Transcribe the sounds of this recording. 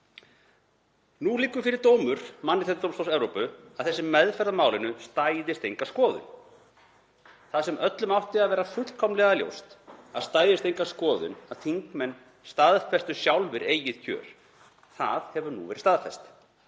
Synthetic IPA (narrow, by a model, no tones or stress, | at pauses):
nuliːkːʏfɪɾɪɾ̥t̪oːwmʏɾ̥manːɪɛt̪t̪owmst̪owsɛvɾowpʏaðθɛsːɪmɛðfɛɾðamaːwlɪnʏst̪aːjðɪst̪ejŋkaskɔːðʏ̰n | θaðsɛmœt̪lʏmawht̪ɪaðvɛːɾafʏ̥kʰɔmlɛɣaljo̰wst̪aðst̪aːjðɪst̪ejŋkaskɔːðʏ̰naðθiŋkmɛnː | st̪aðfɛst̪ʏ̥sjawlvɪɾeːjɪðcʰœ̰ːɾ̥ | θa̰ðhɛvʏnṵvɛːɾɪ̥st̪aðfɛst̪